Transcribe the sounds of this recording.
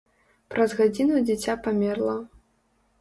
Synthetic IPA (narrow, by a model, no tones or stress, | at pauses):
pɾɐzɣad͡zʲinud͡zʲit͡sʲapamʲɛrlˠɐ